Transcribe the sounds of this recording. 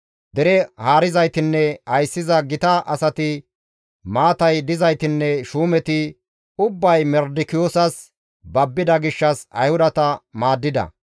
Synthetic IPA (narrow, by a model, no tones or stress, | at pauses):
d̪ɛɾɛhaːɾɪzɐjt̪ɪnːɛhɐjsːɪzɐɡɪt̪ɐʔɐsɐt̪ɪ | maːt̪ɐjd̪ɪzɐjt̪ɪnːɛʃuːmɛt̪ɪ | ʊbːɐjmɛɾd̪ɪkɪjoːsɐs | bɐbːɪd̪ɐɡɪʃːɐsɐ̰jhʊd̪ɐt̪ɐmaːd̪ːɪd̪ɐ̰